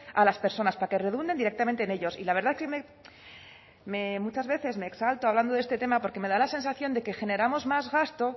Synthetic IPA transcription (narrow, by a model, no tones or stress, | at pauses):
alaspe̞ɾso̞naspake̞re̞ðund̪end̪iɾe̞kt̪ament̪ene̞ʎo̞sḭlaβ̞e̞ɾðaeskeme | me̞mut͡ʃazβe̞θe̞zme̞ːksalt̪oaβland̪o̞ðest̪e̞t̪e̞mapo̞ɾke̞me̞ðalase̞nsaθjo̞nd̪e̞ke̞xe̞ne̞ɾamo̞zmazɣast̪o̞